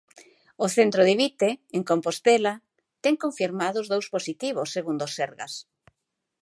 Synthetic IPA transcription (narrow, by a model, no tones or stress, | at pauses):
oθent̪ɾoðɪβit̪eeŋkompost̪ela | t̪ɛŋkoɱfiɾmaðʊzðowsposit̪iβ̞ʊsːeɣund̪oseɾɣɐ̰s